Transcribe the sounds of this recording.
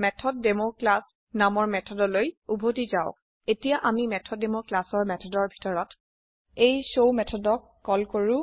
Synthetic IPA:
mɛtʰɔtdemoklas | namɔɹmɛtʰɔdɔlojubʱotizaʊk | etijaʔamimɛtʰɔdemoklasɔɹmɛtʰɔdɔɹbʱi̥tɔɹɔt | ejsowmɛtʰɔdɔkːɔlkoɹu

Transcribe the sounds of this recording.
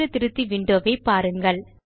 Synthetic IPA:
ɯt̪ɪɾɯt̪ːiʋɪɳɖoːʋeɪpːaːɾɯŋɡɐɭ

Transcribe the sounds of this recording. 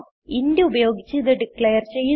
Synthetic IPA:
indeubɐjo̞ːɡit͡ɕːɨiðɐɖikɭejɐrt͡ɕe̞jːu

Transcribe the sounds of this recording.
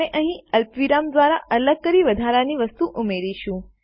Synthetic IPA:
eʔəɦĩəlpʋiɾamd̪ʋaɾaʔələɡ̚kəɾiʋəd̪ʱaɾaniʋəst̪uʔumeɾiʃũ

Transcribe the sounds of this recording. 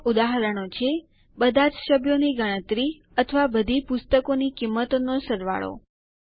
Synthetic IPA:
ud̪aɦəɾəɽ̃ot͡ʃʰe | bəd̪ʱad͡ʒsəbʱjoniɡəɽ̃ə̃t̪ɾi | ət̪ʰəʋabəd̪ʱipʊst̪əkonikimːət̪onosəɾʋa̰ɭo̰

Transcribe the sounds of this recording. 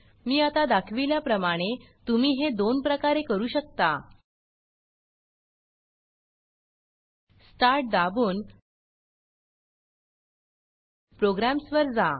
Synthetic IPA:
miːat̪ad̪akʰʋiljapɾəmaɽ̃e | t̪umiːɦed̪onpɾəkaɾekəɾuːɕəkt̪a | sʈaɾʈ̚d̪abuːn | pɾoɡɾamsʋəɾd͡za

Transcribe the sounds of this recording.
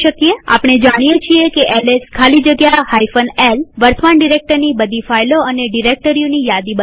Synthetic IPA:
ʃəkiea̰pɽ̃ed͡ʒaɽ̃ijet͡ʃʰiekeʔɛleskʰalid͡ʒəɡjahaifənelʋəɾsʰmaɳɖiɾek̚ʈəɾnibəd̪ʱifajloəneɖiɾek̚ʈəɾijonijad̪ibə

